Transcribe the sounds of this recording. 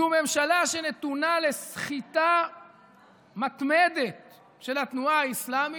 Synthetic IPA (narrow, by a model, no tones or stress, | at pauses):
ume̞mʃalaʃe̞net̪unale̞sχit̪a | mat̪me̞d̪e̞t̪̚ | ʃe̞lat̪nuaaislami